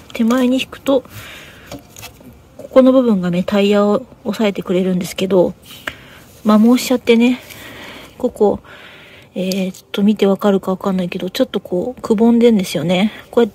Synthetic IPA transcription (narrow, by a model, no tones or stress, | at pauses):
t̪ʰe̞maeɲ̟içi̥kɯ̥t̪o̞ | ko̥ko̞no̞bɯ̟bɯ̟̃ŋɡame̞t̪aiaoosae̞t̪e̞kɯ̟ɾe̞ɾɯ̟̃nd̪esɨ̥ke̞d̪o̞ | mamo̞ːɕi̥t͡ɕat̪ːe̞ne̞ | ko̞ko̞ | et̪ːo̞mʲit̪e̞β̞akaɾɯ̟kaβ̞akanːaike̞d̪ot͡ɕo̞t̪ːo̞kʰo̞ːkɯ̟bõ̞nd̪ẽ̞nd̪e̞sɨjo̞ne̞ko̞e